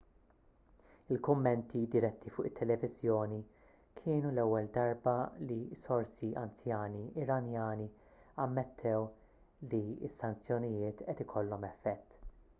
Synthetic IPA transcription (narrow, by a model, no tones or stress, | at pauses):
ɪlkʊmːɛnt̪ʰid̪ɪɾɛt̪ʰːifʊːʔɪt̪ʰːɛlɛvɪzjɔːni | kʰɪːnulɛwːɛld̪ɐɾbɐlisɔɾsiʔɐ̰nt͡sjɐːniɪɾɐnjɐːni | ɐmːɛt̪ʰːɛw | liɪsːɐnt͡sjɔnɪjɪːt̪ʔɛt̪ɪkʰɔlːɔmɛfːɛt̪ː